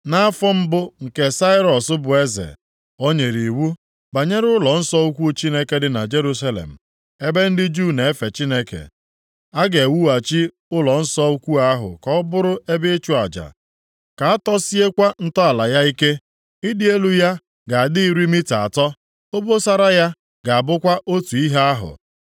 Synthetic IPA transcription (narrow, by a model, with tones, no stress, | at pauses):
na˦a˦fɔ˦m̩˦bʊ˦ŋ̩˨ke˦sa˦ɪ˦ɾɔ˨sʊ˦bʊ˨e˦zḛ˨ | o˦ɲe˨ɾi˨wu˦ | ba˨ɲe˦ɾʊ˦lɔ˨n̩˦sɔ˦u˦kʷu˦t͡ʃi˦ne˦ke˦dɪ˨na˨d͡ʒe˦ɾu˦sa˦lḛ˨m̩˨ | e˦be˦n̩˦dɪ˦d͡ʒu˦˨ne˨e˦fe˨t͡ʃi˦ne˦kḛ˨ | a˦ɡe˨wu˦a˨t͡ʃi˦ | ʊ˦lɔ˨n̩˦sɔ˦u˦kʷu˦a˦ɦʊ̰˨kɔ˦bʊ˦ɾʊ˦e˦bɪ˦t͡ʃu˦a˨d͡ʒa̰˨ | ka˨a˦tɔ˦si˦e˦kʷa˦n̩˦tɔ˦a˨la˨ja˦i˦ke˦ | i˦dɪ˦e˦lu˦ja˦ | ɡa˨a˨dɪ˦i˦ɾi˦mi˦ta̰˨tɔ˦ | o˦bo˦sa˦ɾa˦ja˦ | ɡa˨a˨bʊ˦kʷa˦ʔo˦tu˨i˦ɦe˦a˦ɦʊ̰˨